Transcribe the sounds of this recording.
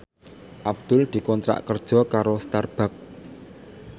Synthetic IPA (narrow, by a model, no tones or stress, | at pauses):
ʔab̚d̪̥ʊld̪̥i̤kɔnt̪ɾa̰ʔkərd̥ʒ̥ɔ̤kaɾost̪arb̥a̤k̚